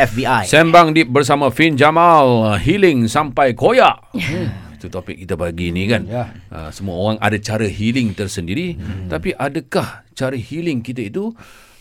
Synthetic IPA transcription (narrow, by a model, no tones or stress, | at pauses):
ɛfbiasɛmbaŋdip̚bərs̬amãfind͡ʒamalhilɪŋsampajkojaʔ | it̪ut̪opɪk̚ːit̪abaɡinĩkanə̰səmuaoɾaŋa̰dat͡ʃaɾəɦilɪŋt̪ərsəndiɾit̪apiʔadakaht͡ʃaɾəhilɪŋkit̪ait̪u